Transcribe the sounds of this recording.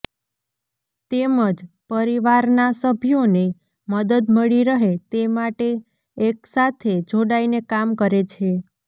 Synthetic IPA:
t̪eməd͡ʒ | pəɾiʋaɾnasəbʱijone | məd̪əd̪məɭiɾəɦet̪emaʈeː | ksat̪ʰed͡ʒʱoɽainekamkəɾet͡ʃʰe

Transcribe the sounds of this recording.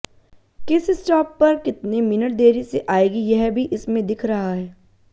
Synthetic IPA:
kɪsisʈaːpːɐɾkɪt̪nemɪnəʈ̚d̪eːɾiseʔaːeːɡijɛɦbʱiʔɪsmẽd̪ɪkʰɾɐɦaɦɛː

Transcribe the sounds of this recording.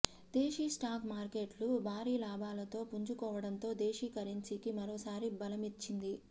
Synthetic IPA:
d̪̥e̞ːʃisʈaːkmaːɾke̞ːʈlubʱaːɾiːlaːbʱaːlɐt̪o̞ːpuɲt͡ʃukɔːʋɐɽɐnt̪o̞ːd̪e̞ːʃikɐɾint͡ʃikimɐɾoːsaːɾibɐlɐmit͡ʃːind̪i

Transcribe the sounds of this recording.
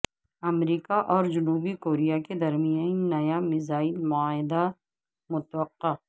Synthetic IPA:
ɐmɾiːkaʔɔːɾd͡ʒʊnuːbikoːɾijaked̪ɐɾmijãnnɐjamɪzaːilmʊaːɦɪd̪a | mʊt̪wəqːa

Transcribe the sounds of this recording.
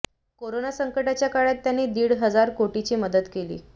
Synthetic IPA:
koɾonasəŋkəʈat͡ɕjakaɽjat̪ːjanːiːd̪iːɽɦəd͡zaɾkoʈit͡ɕiːməd̪ət̪kelḭː

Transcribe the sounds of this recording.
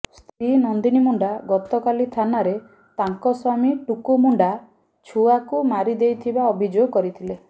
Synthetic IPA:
st̪ɾinɔnd̪inimuɳɖaɡɔt̪ɔkalit̪ʰanaɾe | t̪aŋkɔswamiʈukumuɳɖa | t͡ʃʰuakumaɾid̪ejt̪ʰibaɔbʱid͡ʒoɡkɔɾit̪ʰile

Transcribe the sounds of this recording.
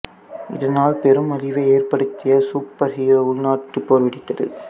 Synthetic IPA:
ʔɪ̰ðɐnaːlpɛɾɯmɐɾɪʋɐɪeːrpɐɽɯt̪ːɪjɐsuːpːɐɾɦɪjoʊɭnaːʈːɯpːoːɾʋɪɽɪt̪ːɐðɯ̰

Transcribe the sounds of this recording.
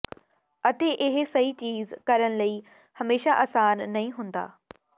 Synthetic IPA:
ɐt̪eʔɪɦsɐit͡ɕiːzkɐɾəɽ̃̆lɐi | hɐmeːʃaʔɐːsaːnːɐɦĩɦũːn̆d̪a̰ː

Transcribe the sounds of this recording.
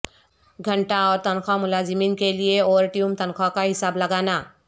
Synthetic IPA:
ɡʱəɳʈaɔːɾt̪ənkʰamʊlad͡ʒmiːnkelieɔːɾʈiumt̪ənkʰɔkaɦɪsaːbləɡana

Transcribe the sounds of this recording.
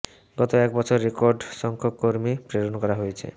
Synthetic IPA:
ɡɔt̪oɛkbɔt͡ɕʰoɾːekoɾɖʃɔŋkʰokːoɾmipɾeɾonkɔɾaɦojet͡ɕʰḛ

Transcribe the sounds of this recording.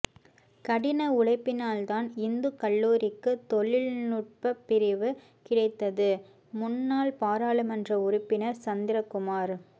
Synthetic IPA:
kɐɽɪnɐʊɽɐɪpːɪnaːlt̪aːnɪnd̪ɯkɐɭːuːɾɪkːɯt̪ɔɭɪlnʊʈ̚pɐpːɪɾɪʋɯ | kɪɽɐɪt̪ːɐðɯ | mʊnːaːlpaːɾaːɭɯmɛndrɐʊɾʊpːɪnɐɾt͡ʃɐnd̪ɪɾɐkːʊmaːɾ

